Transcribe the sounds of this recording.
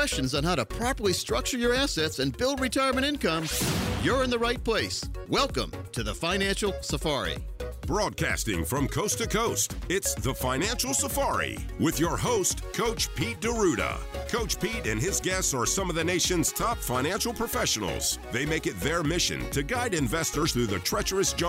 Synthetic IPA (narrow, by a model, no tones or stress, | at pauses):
ɛst͡ʃɨ̃nzn̩haʊɾəpʰɹ̥ɑpə˞lˠistɹ̥ʌk̚t͡ʃə˞jə˞æsɛtsɨ̃nbɪlˠd̚ɹɨtʰɜɪə˞mɨ̃ɾ̃ɪ̃nkʌ̃mjə˞ɨ̃nðəɹaɪt̚pʰl̥eɪswɛlˠkə̰̃m | tʰɨðəfãɪ̃næ̃nʃl̩ˠsəfɑɹḭ | b̥ɹɔd̚kʰæ̰stɪ̰̃ŋfɹʌ̃mkʰoʊstʰɨkʰoʊstɪtsðəfãɪ̃næ̃nʃl̩ˠsəfɑɹḭ | wɪðjə˞ɦoʊstkʰoʊt͡ʃpʰit̚d̥əɹʉɾə̰kʰoʊt͡ʃpiɾɨ̰̃nɪzɡɛstsə˞sʌ̃mʌvðɨneɪʃɨ̃nz̥tʰɑpfãɪ̃ñæ̃nʃl̩ˠpʰɹ̥əfɛʃɨn̩l̩ˠz̥ðeɪmeɪkɨt̪̚ðə˞mɪʃɨ̰̃ntʰɨɡaɪɾɨ̃ɱvɛstə˞z̥θɹʉðɨtʰɹ̥ɛt͡ʃə˞ɨsd̥ʒ̥ʌ̃